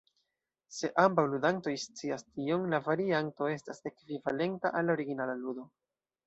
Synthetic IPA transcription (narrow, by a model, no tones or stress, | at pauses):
se̞ʔambawludanto̞jst͡siastio̞ŋlavaɾianto̞e̞stase̞kvivale̞ntaʔalːao̞ɾiɡinalaludo̞